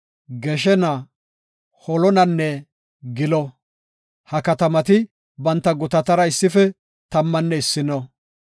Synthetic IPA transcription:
ɡɛʃɛnɐ | hɔlɔnɐnːɛ | ɡɪlɔ | hɐkɐt̪ɐmɐt̪ɪ | bɐnt̪ːɐɡʊt̪ɐt̪ɐɾɐɪsːɪfɛ | t̪ɐmːɐnːɛɪsːɪnɔ

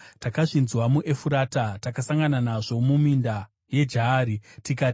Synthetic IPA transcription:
takaʐinzwamuʔe̞fuɾaːtatakasaŋɡananaʐo̞muminda | je̞d͡ʒaːɾitikati

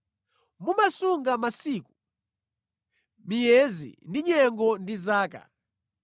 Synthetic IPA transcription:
mumasuŋɡamasiːku | mijɛzḭndiɲɛŋɡɔndizaːka̰

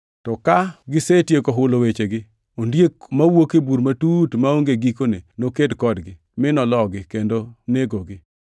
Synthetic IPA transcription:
tɔkaɡɪsetjekoɦʊlowet͡ʃeɡɪ | ondjek̚mawokebuɾmatutmaoŋɡeɡikonenokedkɔdɡɪ | mɪnɔlɔɡɪkendoneɡoɡɪ

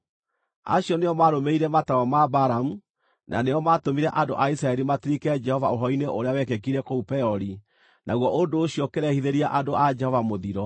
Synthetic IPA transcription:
a̰ɕjɔneɔmaɾomeiɾɛmataɔmabaɾamu | nʔa̰neɔmatomiɾɛʔando̰ʔaisɾaɛɾimatiɾikɛd͡ʒɛhɔvaoɦɔineʔoɾeawɛkɛkiɾɛkoupɛɔɾi | nʔa̰ɣwɔʔondoːɕjɔkeɾɛhiðeɾiaʔadoʔad͡ʒɛhɔvamoðiɾɔ

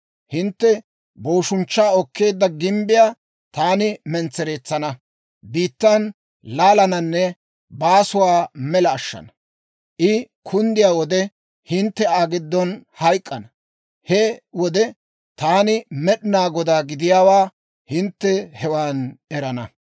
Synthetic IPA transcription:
hɪnt̪ːɛ | boːʃʊnt͡ʃːaːɔkːe̞ːd̪ːɐɡɪmbɪjaː | t̪aːnɪmɛnt͡sːɛɾe̞ːt͡sːɐnɐ | biːt̪ːɐn | laːlɐnɐnːɛ | baːsʊwaːmɛlɐːʃːɐ̰nɐ | ʔɪ | kʰʊnd̪ɪjaːwɔd̪ɛ | hɪnt̪ːɛaːɡɪd̪ːɔnhɐjkʼːɐnɐ | hɛwɔd̪ɛ | t̪aːnɪmɛɗɪnaːɡɔd̪aːɡɪd̪ɪjaːwaː | hɪnt̪ːɛhɛwaːnʔɛɾɐnɐ

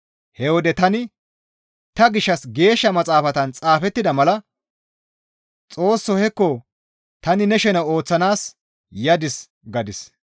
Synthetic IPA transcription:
hɛwɔd̪ɛt̪ɐnɪ | t̪ɐɡɪʃːɐsɡe̞ːʃːɐmɐt͡sʼaːfɐt̪ɐnt͡sʼaːfɛt̪ːɪd̪ɐmɐlɐ | t͡sʼo̞ːsːɔhɛkːɔ | t̪ɐnɪnɛʃɛnɐo̞ːt͡sːɐnaːs | jɐd̪ɪs | ɡɐd̪ɪs

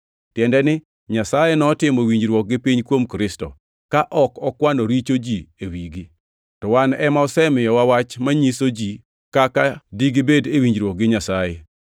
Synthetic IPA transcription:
tjɛndɛnɪ | ɲasajenɔtɪmowiɲd͡ʒɾwɔk̚ɡɪpiɲkwomkɾɪstɔ̰ | kaʔɔkɔkwanoɾit͡ʃod͡ʒiewiɡi | tɔwanɛmaɔsɛmɪjɔwawat͡ʃmaɲisod͡ʒi | kakadiɡibedewiɲd͡ʒɾwɔk̚ɡɪɲasajɛ

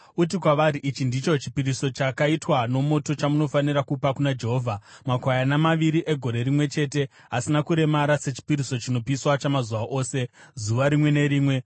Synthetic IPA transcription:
ut̬ikwaʋaɾiʔit͡ʃindit͡ʃo̞t͡ʃi̥piɾiso̞t͡ʃakaitwano̞mo̞to̞t͡ʃamuno̞faniɾakupakunad͡ʒe̞ɦoːvʱamakwajanamaʋiɾiʔe̞ɡʱo̞ɾe̞ɾimwe̞t͡ʃe̞ːte̞ | ɦasinakuɾe̞maɾase̞t͡ʃi̥piɾiso̞t͡ʃino̞piswat͡ʃamazuʋaʔo̞ːse̞ | zuʋaɾimwe̞ne̞ɾiːmwe̞

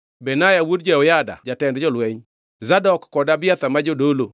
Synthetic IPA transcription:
bɛnajawodd͡ʒɛɔjada̰d͡ʒatɛndd͡ʒɔlwɛɲ | zadɔkːɔdabɪat̪amad͡ʒodolo

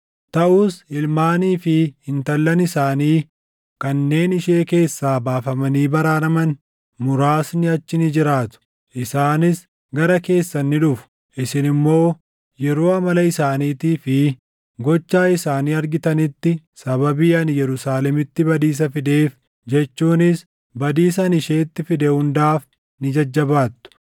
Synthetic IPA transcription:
t̪ɐʔuːsɪlmaːniːfɪhɪnt̪ɐlːɐnɪsaːniː | kɐnːe̞ːnɪʃe̞ːke̞ːsːaːbaːfɐmɐniːbɐɾaːnɐmɐn | mʊɾaːsnɪɐt͡ʃːɪnɪd͡ʒɪɾaːt̪ʊ̥ | ʔɪsaːnɪs | ɡɐɾɐke̞ːsːɐnːɪᶑʊfʊ̥ | ʔɪsɪnɪmːo̞ː | jɛɾo̞ːɐmɐlɐɪsaːniːt̪iːfɪ | ɡɔt͡ʃːaːɪsaːniːɐɾɡɪt̪ɐnɪt̪ːɪ | sɐbɐbiːɐnjɛɾʊsaːlɛmɪt̪ːɪbɐd̪iːs̬ɐfɪd̪e̞ːf | d͡ʒɛt͡ʃːuːnɪs | bɐd̪iːs̬ɐɐnɪʃe̞ːt̪ːɪfɪd̪ɛhʊnd̪aːf | nɪd͡ʒɐd͡ʒːɐbaːt̪ːʊ̥

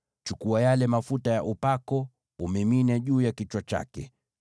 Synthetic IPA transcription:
t͡ʃukuajalɛmafutajaʔupakɔ | umɛminaʄuːjakit͡ʃwat͡ʃa̰kɛ̰

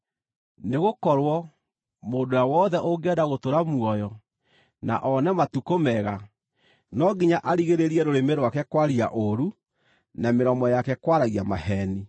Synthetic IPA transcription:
neɣokɔɾwɔ | moːdojawɔðɛʔoɡɛdaɣotoɾamwɔjɔ | na̰ʔɔnɛmatukomɛɣa | nɔɡiɲaʔaɾiɣeɾeɾiɛɾoɾemeɾwakɛkwaɾia̰ʔoɾu | nameɾɔmɔjakɛkwaɾaɣiamahɛni

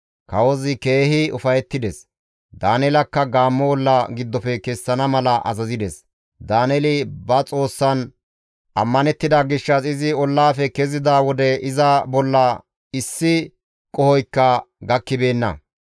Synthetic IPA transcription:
kɐwɔzɪke̞ːhɪʊfɐjɛt̪ːɪd̪ɛs | d̪aːnɛlɐkːɐɡaːmːɔwɔlːɐɡɪd̪ːɔfɛkɛsːɐnɐmɐlɐʔɐ̰zɐzɪd̪ɛs | d̪aːnɛlɪbɐt͡sʼo̞ːsːɐn | ʔɐmːɐnɛt̪ːɪd̪aɡɪʃːɐsɪzɪɔlːaːfɛkɛzɪd̪aːwɔd̪ɛɪzɐbɔlːɐ | ɪsːɪ | kʼɔhɔjkːɐɡɐkːɪbe̞ːnːɐ̰

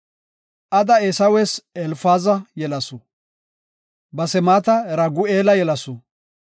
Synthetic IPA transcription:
ʔɐd̪ɐesɐwesɛlfaːzɐjɛlɐsɔ | bɐsɛmaːt̪ɐɾɐɡʊeːlɐjɛlɐsʊ

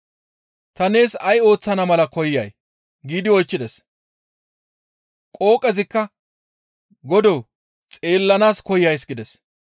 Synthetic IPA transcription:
t̪ɐne̞ːsɐjo̞ːt͡sːɐnɐmɐlɐkɔjːɐj | ɡiːd̪ɪɔjt͡ʃːɪd̪ɛs | kʼo̞ːkʼɛzɪkːɐ | ɡɔd̪ɔw | t͡sʼe̞ːlːɐnaːskɔjjɐjs̬ɡɪd̪ɛs

